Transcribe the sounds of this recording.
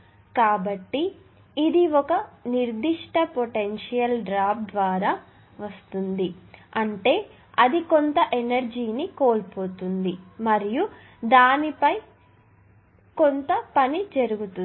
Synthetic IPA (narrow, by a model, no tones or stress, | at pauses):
kaːbɐʈːiː | d̪iɔkɐniɾd̪iʂʈɐpoʈenʂijɐlɖɾaːp̚d̪ʋaːɾaː | ʋɐst̪und̪iɐɳʈe̞ː | ɐd̪ikont̪ɐʔenɐɾd͡ʒiːnikoːlpoːt̪und̪imɐɾiju | d̪aːnipɐj | kont̪ɐpɐnid͡ʒɐɾuɡut̪u